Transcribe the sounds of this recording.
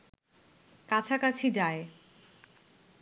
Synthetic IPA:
kat͡ɕʰakat͡ɕʰid͡ʑae

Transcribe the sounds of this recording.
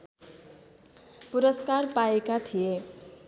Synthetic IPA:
puɾʌskarpaekat̪ʰije

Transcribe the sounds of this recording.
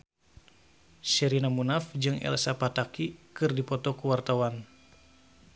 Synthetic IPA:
sɛɾinamunafd͡ʒɨŋɛ̰lsapat̪akikɨrdipɔt̪ɔkuwart̪awan

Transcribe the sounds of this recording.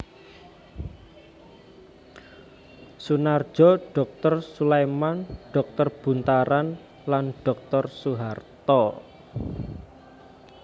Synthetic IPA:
sunar̥d͡ʒʒ̥ɔɖ̥ɔ̤k̚t̪ɔrsulemanɖ̥ɔk̚t̪ɔrb̥ṳnt̪aɾan | lanɖ̥ɔ̤k̚t̪ɔrsuɦart̪ɔ

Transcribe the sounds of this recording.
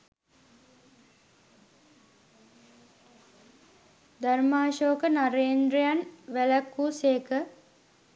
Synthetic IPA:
d̪armaːʃoːkənaɾeːnd̪ɾəjanʋæləkːuːseːkə

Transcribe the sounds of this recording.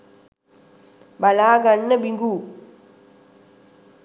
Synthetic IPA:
balaːɡanːəbiŋɡuː

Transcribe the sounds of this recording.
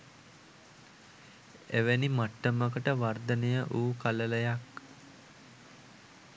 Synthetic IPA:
eʋenimaʈːəməkəʈəʋard̪ənejəʔuːkalələjak

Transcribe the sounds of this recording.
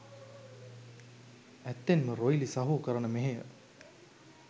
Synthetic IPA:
æt̪ːenməɾojlisaɦuːkəɾənəmeɦejə̰

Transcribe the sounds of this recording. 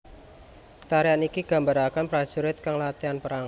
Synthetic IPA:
t̪aɾianikiɡ̥a̤mbaɾakanpɾḁʒ̥uɾɪt̪̚kaŋlat̪ianpəɾaŋ

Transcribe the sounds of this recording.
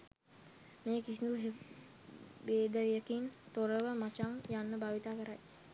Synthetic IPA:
meːkisind̪u | ʋeːd̪əɾijəkint̪oɾəʋəmat͡ʃaŋjanːəbaʋit̪aːkəɾaj

